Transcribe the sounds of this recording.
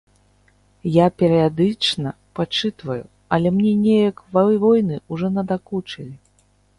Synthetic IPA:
japʲɛɾɨjad̪ɨt͡ʂnɐ | pat͡ʂɨt̪vɐju | ɐlʲɛmnʲɛnʲɛjɐkvvɔjnɨuʐɔnɐd̪akut͡ʂɐlʲi

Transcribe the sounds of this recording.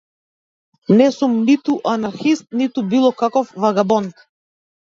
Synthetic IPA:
nɛsumnit̪uʔanaɾxist̪̚nit̪ubilˠɔkakɔfvaɡabɔnt̪

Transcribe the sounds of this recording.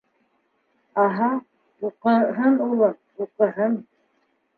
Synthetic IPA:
ɑɦɑ | uqɤ̆ɦɤnulˠɤ | uqɤ̆ɦɤn

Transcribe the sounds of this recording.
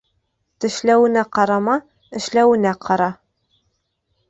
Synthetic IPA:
t̪ɘ̆ʃlæwɘ̆næqɑɾɑmɑ | ɘ̆ʃlæwɘ̆næqʰɑɾɑ

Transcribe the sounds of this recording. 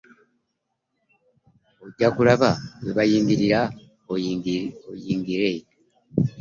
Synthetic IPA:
oɟːakulaβaweβajiːmbiɾiɾa | ojiːŋɡiɾe

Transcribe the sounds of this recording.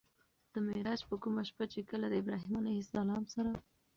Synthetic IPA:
d̪̥əmɪɾɑd͡ʒpəkumaʃpat͡ʃekəlad̪əɪbɾɑɦimɑnehɪsd̪alɑmsaɾa

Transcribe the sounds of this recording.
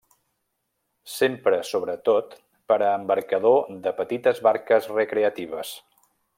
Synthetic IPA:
sempɾəsoβɾət̪ot̪ | pəɾəːmbəɾkəðod̪əpət̪it̪əzβaɾkəzrəkɾeət̪iβ̞əs

